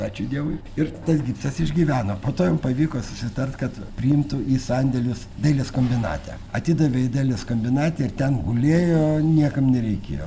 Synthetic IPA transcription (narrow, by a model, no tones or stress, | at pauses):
pɑːt͡ʃʲʊd̪ʲiɛʋʊɪɪrt̪ɐsɡʲiːpsʲt̪ɐsɪʒʲɡʲiːʋʲæːnoːpoːt̪oːjompɐʋʲiːkoːsʊsʲɪt̪ɐrt̪kɐt̪pʲɾʲɪɪmt̪ʊʔiːsɐnʲd̪ʲɛlʲʊs | d̪ɐɪlʲɪskoːmʲbʲɪnɑ̰ːt̪ʲɛ̰ː | ɐt̪ʲɪːd̪ɐʋʲeːɪd̪ɐɪlʲɪskomʲbʲɪnɑːt̪ʲɛːɪrt̪ʲɛnɡʊlʲeːjoːnʲiɛkɐmnʲɛɾʲɛɪkʲḛːjo̰ː